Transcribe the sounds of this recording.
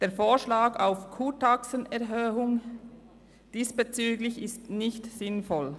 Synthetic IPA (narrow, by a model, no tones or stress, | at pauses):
d̥eːɐfoːʃlaːɡaʊfkʰuːtʰaksənɛɐɦøːʊŋ | d̥iːsb̥et͡syːɡlɪçɪstnɪçtsɪnfɔl